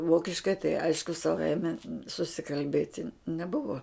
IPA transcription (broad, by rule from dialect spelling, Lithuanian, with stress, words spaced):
ˈʋoːkʲɪʃkɐɪ tɐɪ ˈɐɪʃkʊ sɐˈʋɐɪmʲɛ sʊsʲɪkɐlʲˈbʲeːtʲɪ nʲɛˈbʊʋoː